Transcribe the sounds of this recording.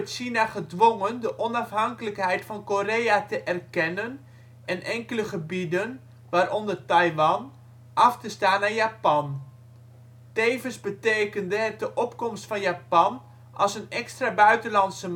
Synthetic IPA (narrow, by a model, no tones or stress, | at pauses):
tʃinaχədʋoŋəndəʔɔnɑfɦɑŋkələkɦɛjtfɑnkorejatəʔɛrkɛnən | ɛnʔɛŋkələχəbidən | ʋaːɾʔɔndərtɑjʋɑn | ʔɑftəstaːnːaːjaːpɑn | tejvənzbətejkəndəɦɛt̚dəʔɔpkɔmstfɑnjaːpɑn | ʔɑ̰lˠsənɛkstrabœɥtənlɑntsə